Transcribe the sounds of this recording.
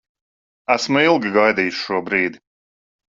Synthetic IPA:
æsmuilˠɡiɡajd̪iːjuʃʃuɔbɾiːd̪i

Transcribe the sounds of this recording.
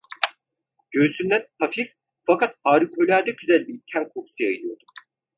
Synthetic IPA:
ɟ̥øɾsymlʲænhʰafif | fakʰat̪haːɾikʰølʲaːd̪ɛɟyzælʲbicʰæmkʰoksijailˠijo̞ɾd̪u

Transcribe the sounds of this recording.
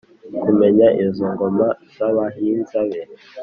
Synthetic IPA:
kumeɲaʔizoŋɡomazaβaɦinzaβe

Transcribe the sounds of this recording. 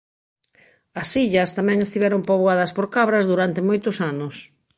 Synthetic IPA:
ɐsiʎɐst̪amɛ̃ŋest̪iβɛɾompoβoað̞ɐspoɾkaβɾɐzðuɾant̪emojt̪ʊsanʊs

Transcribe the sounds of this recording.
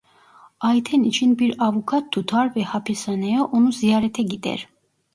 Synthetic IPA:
ajt̪ʰɛnit͡ʃʰinbiɾavukʰat̪ʰːut̪ʰaɾvɛhapʰɛsanɛjɔʔunuziaɾɛt̪ʰɛɡid̪ɛ̰ɾ

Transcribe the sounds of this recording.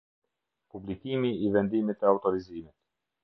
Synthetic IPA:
publikimiːvɛnd̪imit̪ɛawt̪ɔɾizimit̪

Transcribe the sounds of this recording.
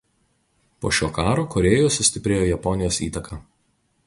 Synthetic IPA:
po̰ːʃʲoːkɑːɾoːkɔɾʲeːjoːsʊsʲt̪ʲɪpʲɾʲeːjoːjɛpɔnʲɪjoːsiːt̪ɐkʰɐ

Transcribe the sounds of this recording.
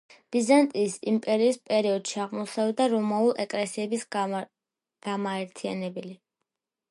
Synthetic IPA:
b̥izant̪ʼiːsimpʼɛɾiːspʼɛɾiɔd̪̥ʃiaʁmɔsɛvd̪aɾɔmaulˠɛkʼlɛsiɛbis | ɡ̥amaɛɾt̪ʰia̰nɛbɛli

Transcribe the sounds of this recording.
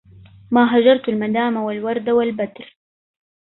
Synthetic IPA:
maːɦad͡ʒɑɾˤt̪ʊlmad̪aːmawalwɑɾˤd̪awalbad̪ɾ

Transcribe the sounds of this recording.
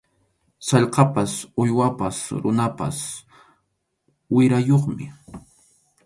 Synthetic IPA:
sɑʎqɑpasʊjwapasɾʊnapa̰s | wɪɾajoχmɪ

